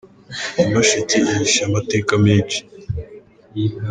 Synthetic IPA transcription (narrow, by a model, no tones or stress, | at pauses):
inoʃetiiiʃamateːkamiːt͡ʃi̥